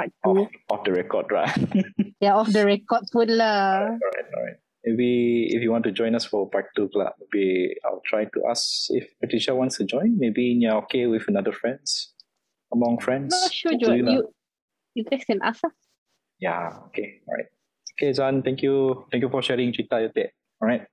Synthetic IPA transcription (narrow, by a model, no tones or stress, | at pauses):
pak̚tuɔfdəɹɛkɔ̰dɹa̰tjaɔfdəɹɛkɔt̚putlaɔɹaɪt̚ɔ̰ɹa̰ɪt̚ | mebiḭfjuwɔ̃ntud͡ʒɔ̃j̃nasfɔpak̚tukla̰mebia̰ɪltʰɹajtṵʔa̰sḭfpɛtɹiʃawɔ̃ntstud͡ʒɔ̃ɪ̃nmebinjaokewifənadəfɹɛ̃ns | əmɔ̃ŋfɹɛ̃ndsʃɔd͡ʒɔju | jutɛksɛ̃na̰sa | ja̰okeɔɹa̰ɪt̚ | oked͡ʒãnt̪ɛ̃ŋkjut̪ɛ̃ŋkjufɔʃɛɹĩŋt͡ʃitajɔtɛʔ̚ | ɔɹaɪt̚